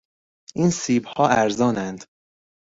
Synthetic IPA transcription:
ʔiːnsiːbhɒːæɾzɒːnænd̪̥

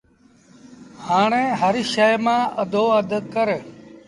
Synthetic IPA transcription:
haːɳẽːɦəɾiʃəjmãːʔəd̪ʱoːəd̪ʱəkəɾ

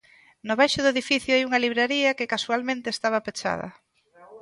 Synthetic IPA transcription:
nʊβajʃʊðʊeðifiθjʊajuŋɐliβɾeɾiɐkekasualmẽnt̪eːst̪aβɐpet͡ʃa̰ð̞ɐ̰

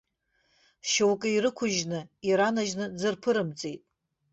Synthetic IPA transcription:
ʃowkʼɨiɾɨkʷʰʊʒnɨiɾanaʒnɨd͡zɨrpʰɨɾɨmt͡sʼejtʼ

